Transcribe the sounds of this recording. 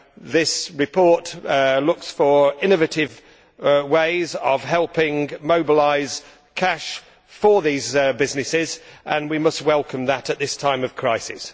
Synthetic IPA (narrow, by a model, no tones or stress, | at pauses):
ðɪsɹɪpʰɔɹtlʊksfə˞ɪ̃nɨvɨtɪv | weɪzəv̥ɦɛlˠpɪ̃ŋmoʊbəlaɪz̥ | kʰaʃ | fə˞ðizbɪznɨsɪzʔə̃nwimʌst̚wɛlˠkʰə̃mðəɾət̪̚ðɪstʰãɪ̃mʌv̥kʰɹ̥aɪsɪ̰s